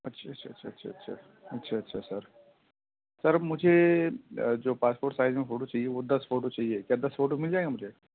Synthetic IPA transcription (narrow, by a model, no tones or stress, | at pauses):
ɐtːʃʰatːʃʰaɐtːʃʰa̰ɐtːʃʰa̰ɐtːɕʰa̰ | ɐtːʃʰaɐtːʃʰasəɾ | səɾmʊd͡ʒʱe | d͡ʒoːpaːspoːɾʈsaɪzmẽfoːʈot͡ʃaːɦieʋod̪ɐsfoːʈot͡ʃaɦiekʲjaːd̪ɐsfoːʈomɪld͡ʒaːeɡamʊd͡ʒʱe